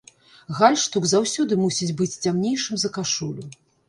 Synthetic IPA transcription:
ɣalʲʂt̪uɡzawsʲɔd̪ɨmusʲit͡sʲbɨt͡sʲt͡sʲamnʲejʂɨmzɐkaʂulʲu

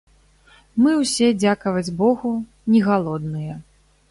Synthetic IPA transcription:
mɨwsʲɛd͡zʲakɐvɐd͡zʲbɔɣu | nʲɛɣalˠɔd̪nɨjɛ

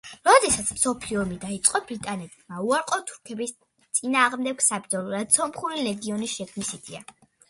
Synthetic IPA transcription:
ɾɔd̪ɛsat̪sʰmsɔpʰliɔmid̪ait̪sʼqʼɔbɾit̪ʼanɛt̪̚ʰmauaɾqʼɔt̪ʰu̥ɾkʰɛbis | t̪sʼinaːʁmd̪ɛɡsab̚d̪zɔlˠuɾad̪̥sɔmχuɾilɛɡiɔnisʃɛkʰnisit̪ʰia

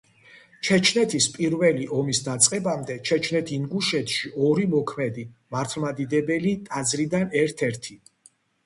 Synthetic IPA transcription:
t͡ʃʰɛt͡ʃʰnɛt̪ʰispʼiɾvɛliʔɔmisd̪at̪sʼqʼɛbamd̪ɛt͡ʃʰɛt͡ʃʰnɛt̪ʰiŋɡuʃɛt̪ʰʃiɔɾimɔkʰmɛd̪imaɾt̪ʰlˠmad̪id̪ɛbɛlit̪ʼad̪zɾid̪anɛɾt̪ʰɛɾt̪ʰi

